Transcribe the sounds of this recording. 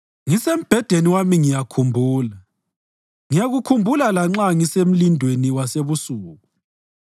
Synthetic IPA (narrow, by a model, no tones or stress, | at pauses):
ŋisem̩b̥ʱɛd̥ʱeniwamiŋijakʰumbʱuːla | ŋijaɣukʰumbʱulalaŋ͡ǁaŋisem̩lindʱweniwaseβusuːɣu